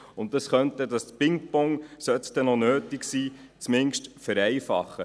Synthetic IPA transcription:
ʊnt̚dɑsχœntədɑstpɪŋpɔŋsœt̪d̥̪ɛnɔnøːtɪksiː | t͡smɪŋʃtfæɾɛɪfɑ̰χːə

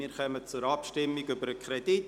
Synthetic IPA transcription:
iːɾχœmət͡sʊɾɑpʃtɪmːiɡʏbəɾəkʰrɛd̥it

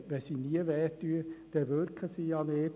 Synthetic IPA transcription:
ʋɛsiniəʋɛtyəd̪̥ɛʋøɾkʰləsiɑneː

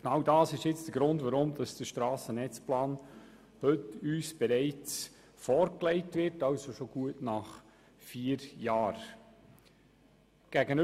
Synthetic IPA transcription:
ɡ̥nɑwdɑːsɪʃjɪt͡sd̥əɡ̥ɾʊndʋaɾʊmd̥ɑsd̥əʃtɾɑːsənɛt͡splɑːn | hɵtyːsb̥ɛɾɛɪt͡s | fɔːɾklɛɪtʋɪɾtɑʊsoʃoɡ̥uətnɑχ | fiːəɾjɑːɾ | ɡ̥æɡən

